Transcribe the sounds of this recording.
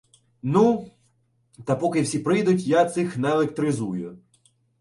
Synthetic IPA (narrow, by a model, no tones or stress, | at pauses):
nu | t̪ɐpɔkɪwsʲipɾɪjd̪ʊtʲjat̪sɪxnɛlek̚t̪ɾɪzujʊ